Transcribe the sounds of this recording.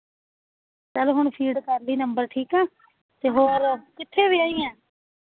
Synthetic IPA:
t͡ʃəlɦʊɳ̃pʰiːɖkəɾliːnəmbəɾʈʰiːkɛ̃ː | t̪eːɦoːɾkɪt̪ʰːeːʋiːaːiːɛ̃ː

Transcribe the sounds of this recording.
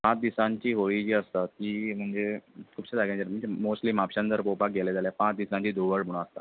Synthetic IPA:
pãt͡sd̪isãɲt͡ɕiːɦoɭid͡ʑiːəst̪at̪kiːm̤əɳd͡zekʰuːpsad͡zaɡãd͡ʑaɾm̤əɳd͡zemosʈliːmapɕãnt̪əɾpopak̚ɡeled͡zaljapãt͡sd̪isãɲt͡ɕiːd̪oʋəɭbuɽ̃aəst̪a̰

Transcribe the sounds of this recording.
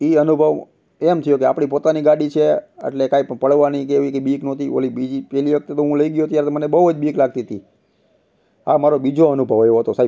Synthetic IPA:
iənubʱəʋ | emt̪ʰijokeapɳ̃ipot̪aniɡaɽit͡ʃʰeə̰ʈlekaipəpəɭʋanik̬eʋikebiknot̪io̰libid͡ʒipɛliʋək̚t̪et̪oɦũləiɡjot̪jaɾt̪mənebəəd͡ʒbiklaɡ̚t̪iɦət̪i | amaɾobid͡ʒoənubʱəʋeʋoɦət̪osai

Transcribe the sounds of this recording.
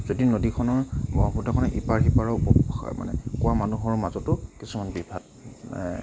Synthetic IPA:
z̥odinodikʰɔnɔɹɔpʰutakʰɔnɔʔipaɹxipaɹɔpɔma̰nɛ̰kʊwamanuɦɔɹmazɔtʊkisumanbibʱat̚

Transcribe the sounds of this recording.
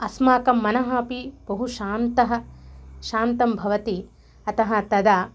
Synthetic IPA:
ɐsmaːkɐmːɐnɐɦaːpibɐɦuʃaːnt̪ɐɦɐʃaːnt̪ɐmbʱɐʋɐt̪i | ɐt̪ɐɦɐt̪ɐd̪aː

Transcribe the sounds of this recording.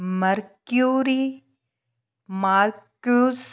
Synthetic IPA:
mɐɾkjuːɾi | maːɾkus

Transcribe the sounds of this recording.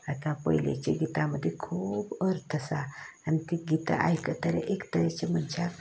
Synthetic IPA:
at̪ãpə̰jlḛt͡ɕeɡit̪aməd̪ʱːjekʰuːbəɾt̪ʰəsaːnit̪iɡit̪a̰ʔa̰jkət̪əɾə̰ʔekt̪əɾjat͡ɕem̤ənt͡ɕʰa

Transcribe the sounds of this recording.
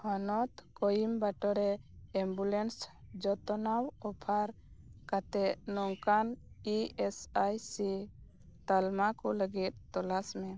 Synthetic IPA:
hɔnɔt̪kɔjimbaʈɔɾɛɛmbulɛnsd͡ʒɔt̪ɔnawɔpʰaɾ | kat̪ɛt̪nɔŋkaniɛsajsi | t̪almakɔləɡit̪̚t̪ɔlasmɛ

